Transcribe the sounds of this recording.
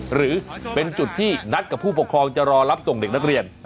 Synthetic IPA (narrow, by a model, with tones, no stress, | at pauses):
ɾɯː˩˦pe˧nt͡ɕu˨˩t̪ʰːiː˥˩na˦˥t̪̚ka˨˩pʰːuː˥˩po˨˩kʰɾɔː˧ŋt͡ɕa˨˩ɾɔː˧ɾa˦˥p̚so˨˩ŋde˨˩k̚na˦˥k̚ɾi˧ən